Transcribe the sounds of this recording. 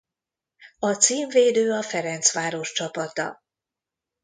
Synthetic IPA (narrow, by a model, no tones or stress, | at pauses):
ɒt̪siːɱveːd̪øːɒfɛɾɛnt̪sʋaːɾo̞ʃt͡ʃɒpɒt̪ɒ̰